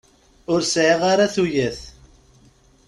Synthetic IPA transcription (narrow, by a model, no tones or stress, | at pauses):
ʊɾsʕiʁaɾaθujæθ